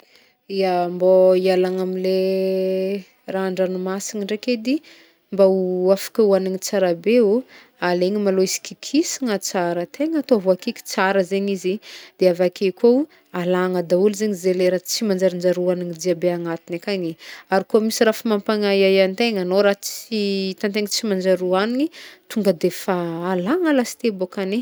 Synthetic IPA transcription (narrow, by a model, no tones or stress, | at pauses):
iamboialaŋamile | raaɳɖ͡ʐanumasiŋiɳɖ͡ʐeked̪i | mbauafḁkʲauaniɲit͡saɾabeu | aleɲimaloisi̥kikʰisiŋət͡saɾət̪eŋat̪oaɦuakikʲi̥t͡saɾəzeɲizid̪̥eavakʰekʲo | alaŋəd̪aulizeɲizeleɾət͡simand͡ʒaɾind͡ʒaɾuaniɲid̪iabeaŋat̪inakaɲiaɾikoamisirafimampaŋajajant̪eŋanoɾaɦt͡sit̪ant̪eŋət͡simand͡ʒaɾuaninit̪uŋɡəd̪efaːlaŋəlasi̥t̪ebokane